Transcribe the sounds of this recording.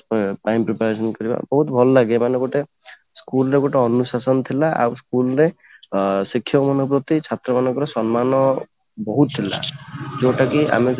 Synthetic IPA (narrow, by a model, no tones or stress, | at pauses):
ʈajmpɾipaɾes̬ɔnkɔɾiba̰bɔɦut̪bʱɔlɔlaɡemaneɡoʈe | skulɾeɡoʈeɔnusasɔnt̪ʰilaʔa̰ɾskulɾe | sikʰːjɔmɔnɔpɾɔt̪it͡ʃʰat̪ɾɔmanɔŋkɔɾesɔnmanɔ | bɔɦut̪t̪ʰːila̰d͡ʒeʈakiʔa̰me